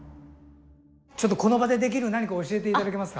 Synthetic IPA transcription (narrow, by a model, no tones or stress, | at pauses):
t͡ɕo̞t̪ːo̞ko̞no̞bad̪e̞d̪e̞k̬ʲiɾɯ̟naɲ̟ikaoɕie̞t̪̬e̞it̪ad̪ake̞masɨ̥ka